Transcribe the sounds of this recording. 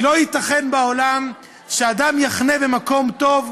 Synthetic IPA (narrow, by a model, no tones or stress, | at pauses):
lo̞jit̪aχe̞nbaolam | ʃead̪amjaχne̞bemako̞mt̪o̞v